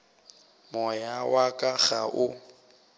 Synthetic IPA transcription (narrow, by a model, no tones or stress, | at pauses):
mɔjawakʼaɣa̰ʔʊ